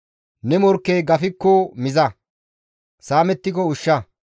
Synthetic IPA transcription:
nɛmɔɾkːejɡɐfɪkːɔmɪzɐ | saːmɛt̪ːɪkɔʊʃːɐ

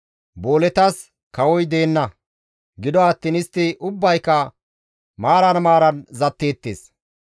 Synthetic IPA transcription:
boːlɛt̪ɐs | kɐwɔjd̪e̞ːnːɐ | ɡɪd̪ɔɐt̪ːiːnɪst̪ːɪʔʊbːɐjkːɐ | maːɾɐnmaːɾɐnzɐt̪ːe̞ːt̪ːḛːs

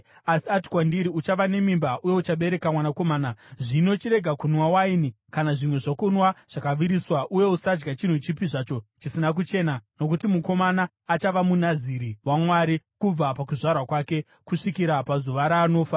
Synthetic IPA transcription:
asiati̥kwandiɾiut͡ʃaʋane̞mimbaʔuje̞ut͡ʃaɓe̞ɾe̞kamwanako̞maːnaʐino̞t͡ʃiɾe̞ɡʱakunwawaini | kanaʐimwe̞ʐokunwaʐ̥akaʋiɾiswaʔuje̞usad͡ʒɡat͡ʃin̤ut͡ʃipiʐat͡ʃo̞t͡ʃisinak̬ut͡ʃe̞ːnano̞k̬utimuko̞manaːt͡ʃaʋamunaziɾiwamwaɾikub͡vapak̬uʐarwakwake̞ | kuʂikiɾapazuʋaɾaːno̞ːfa

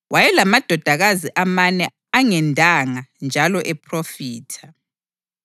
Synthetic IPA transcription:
wajɛlamad̥ʱɔd̥ʱaɣaziʔamanɛ | aŋɛndʱaŋand͡ʒʱalɔʔɛpʰrofiːtʰa

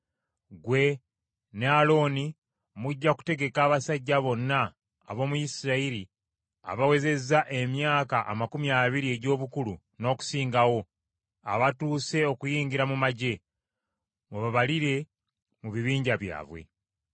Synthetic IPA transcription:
ɡwe̞ | nealo̞ni | muɟːaku̥te̞ɡe̞kaːβasaɟːaβo̞nːa̰ː | βo̞ːmujisiɾaiɾi | a̰βawe̞ze̞zaʔe̞mjaːkaʔːmakumjaːβiɾie̞ɟo̞ːβukulu | no̞ːku̥siːŋɡawo̞ | a̰βatuːse̞o̞kujiːɲɡiɾamumaɟe̞ | muβaβaliɾe̞ | muβiβiːɲɟaβja̰ːβwe̞̰

